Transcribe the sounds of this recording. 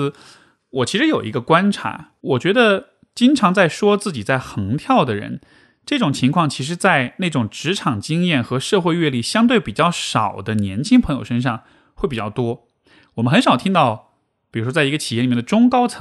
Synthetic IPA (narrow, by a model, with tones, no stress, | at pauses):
wɔ˨˩t͡ɕʰi˧˥ʂɻ̩˧˥jo˨˩ʊʔḭ˧˥ɡə˧kwa˥nʈ͡ʂʰa̰˧˥ | wɔ˨˩t͡ɕɥɛ˧˥d̪ə˧ | t͡ɕi˥ŋʈ͡ʂʰɑ˧˥ŋt͡sa˥˩ɪʂwɔ˥t͡sɹ̩˥˩t͡ɕi˨˩t͡sa˥˩ɪxɤ˧˥ŋt̪ʰjɑ˥˩ʊd̪ə˩ɻə̰˧˥n | ʈ͡ʂɤ˥˩ʈ͡ʂʊ˨˩ŋt͡ɕʰi˧˥ŋkʰwɑ˥˩ŋt͡ɕʰi˧˥ʂ̬ɻ̩˧˥t͡sa˥˧ɪne˥˩ʈ͡ʂʊ˨˩ŋʈ͡ʂɻ̩˧˥ʈ͡ʂʰɑ˨˩ŋt͡ɕi˥ŋjɛ˥˩nxɤ˧˥ʂɤ˥˧xwe˥˧ɪɥɛ˥˧li˥˩ɕjɑ˥ŋt̪we˥˩ɪpi˨˩t͡ɕjɑ˥˩ʊʂɑ˨˩ʊd̪ə˦njɛ˧˥nt͡ɕʰi˥ŋpʰɤ˧˥ŋjo˨˩ʊʂə˥nʂ̬ɑ˥˧ŋ | we˥˩ɪpi˨˩t͡ɕjɑ˥˩ʊt̪wɔ˥ | wɔ˨˩mə˦nxə˧˥nʂɑ˨˩ʊt̪ʰi˥ŋt̪ɑ˥˩ʊ | pi˨˩ɻu˧˥ʂwɔ˥t͡sa˥˩ɪ˧˥ɡə˧t͡ɕʰi˨˩jɛ˥˩˨i˨˩ɛ˥˩d̪ə˧ʈ͡ʂʊ˥ŋkɑ˥ʊt͡sʰɤ˧˥